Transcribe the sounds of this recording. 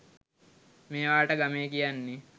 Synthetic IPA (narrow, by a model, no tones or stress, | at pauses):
meːʋaːʈəɡameːkijanːe